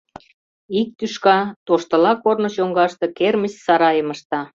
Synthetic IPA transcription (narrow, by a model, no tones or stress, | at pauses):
ik̚t̪yʃkɑt̪oʃt̪ə̆lɑkornoɕoŋɡɑʃt̪ɤ̆kermət͡ɕsɑɾɑjəməʃt̪ɑ